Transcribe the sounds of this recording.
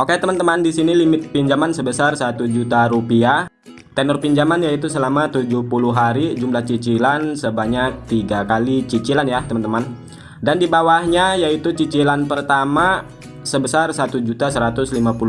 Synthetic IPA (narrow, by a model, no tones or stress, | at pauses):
ʔoket̪əmant̪əmandisinilimɪt̪̚piɲd͡ʒamansəbəsarsat̪ud͡ʒut̪aɾupiah | t̪ɛnɔrpiɲd͡ʒamanjait̪usəlamat̪ud͡ʒuhpuluɦaɾid͡ʒumlaht͡ʃit͡ʃilansəbaɲak̚t̪iɡakalit͡ʃit͡ʃilanjat̪əmant̪əman | dandibawahɲajait̪ut͡ʃit͡ʃilanpərt̪ama | səbəsarsat̪ud͡ʒut̪asəɾat̪ʊslimapul